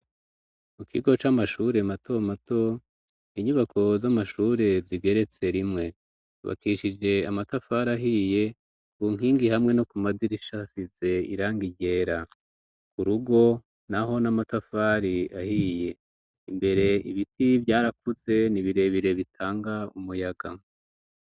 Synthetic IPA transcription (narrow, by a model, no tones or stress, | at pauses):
mukʰiɡo̞t͡ʃamaʃuɾe̞mato̞mato̞ | iɲuβakʰo̞zamaʃuːɾe̞zziɡe̞ɾe̞t͡se̞ɾimŋe̞ | βa̰kiʃid͡ʒe̞amatafaɾaɦije̞ | βuŋ̥iːŋɡihamŋe̞no̞kumadiɾiʃasize̞ḭɾaːŋɡiɟe̞ːɾa | kuɾuɡo̞ | naɦo̞namatafaːɾiahije̞ | imbe̞ɾe̞iβitivjaːɾakuze̞niβiɾe̞βiɾe̞βitʰaːŋɡaumujaɡa